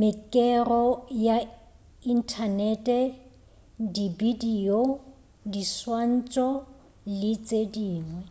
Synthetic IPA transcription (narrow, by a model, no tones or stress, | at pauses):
mɪkʼɛrɔja | in̩tʰanɛtʼɛ | dibidio | diswan̩t͡ʃʼɔ | lɪt͡sʼediːŋwɛ